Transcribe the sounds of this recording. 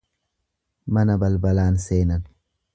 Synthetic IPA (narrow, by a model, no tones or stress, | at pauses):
mɐnɐbɐlbɐlaːnseːnɐn